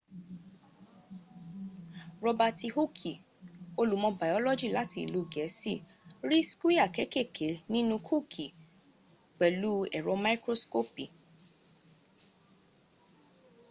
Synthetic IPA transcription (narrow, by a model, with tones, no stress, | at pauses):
ɾɔ˧ba˧ti˧ho˦kʰi˨ | o˧lu˨˦mɔ̃˧ba˨ɔ˦lɔ˦d͡ʒi˦˨la˨˦ti˧˨lu˧˨ɡɛ˨˦si˦˨ɾi˦skwi˦a˨kɛ˨˦ke˦˨kʰe˨˦nĩ˦nũ˧kʰu˦˨kʰi˨ | k͡pɛ˨lu˦ɛ˨ɾɔ̃˧˦ma˦i˦kɾo˦sko˦pi˨